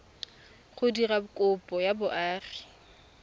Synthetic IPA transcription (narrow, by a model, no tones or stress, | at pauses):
χʊdirakʼʊpʼɔjabʊʔaːri